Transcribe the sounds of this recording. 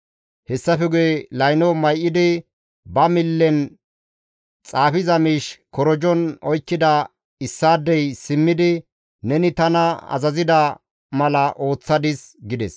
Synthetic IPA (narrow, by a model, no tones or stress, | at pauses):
hɛsːɐfɛɡʊjelɐjnɔmɐjʔɪd̪ɪ | bɐmɪlːɛn | t͡sʼaːfɪzɐmiːʃkɔɾɔd͡ʒɔnɔjkːɪd̪ɐ | ɪsːaːd̪ːɛjsɪmːɪd̪ɪ | nɛnɪt̪ɐnɐɐ̰zɐzɪd̪ɐ | mɐlɐʔo̞ːt͡sːɐd̪ɪsɡɪd̪ɛs